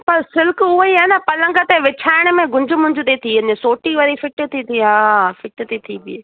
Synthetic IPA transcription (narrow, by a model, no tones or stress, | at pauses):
pɐɾsɪlkʊɦoiaːenapɐlə̃ŋɡət̪eʋɪt͡ɕʰaːɪɽ̃ʊmẽɡʊ̃ɲd͡ʑʱʊmʊ̃ɦɪ̃ɲd͡ʑʊt̪et̪ʰinẽsoːʈiʋɐɾifɪʈt̪ʰit̪ʰiɦaːfɪʈt̪et̪ʰibɪeː